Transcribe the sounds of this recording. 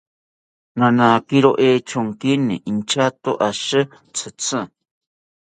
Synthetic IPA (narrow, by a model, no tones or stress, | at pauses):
nãnãkiɾoʔeːt͡ʃoŋkinĩʔint͡ʃat̪oʔaʃɨ | t͡sʰɨt͡sɨ̃